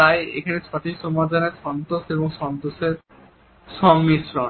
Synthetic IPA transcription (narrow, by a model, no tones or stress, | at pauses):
t̪ajḛkʰanet͡ɕʰɔʈiksɔmad̪ʱaneɾʃɔnt̪oʃeboŋʃɔnt̪oʃeɾ | ʃɔŋmiʃɾɔn